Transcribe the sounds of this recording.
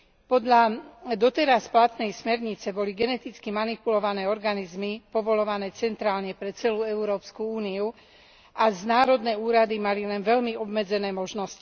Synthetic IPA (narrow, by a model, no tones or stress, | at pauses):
pɔd̪ʎad̪ɔt̪ɛɾasplat̪nɛjsmɛɾɲit͡sɛbɔliɡɛnɛt̪it͡skimanipulɔʋanɛːɔɾɡanizmipɔʋɔlɔʋanɛːt͡sɛnt̪ɾaːlɲɛpɾɛt͡sɛluːɛuɾɔːpskuuːniu | ʔaznaːɾɔd̪nɛuːɾad̪imalilɛnʋɛʎmiɔbmɛd͡zɛnɛːmɔʒnɔsci̥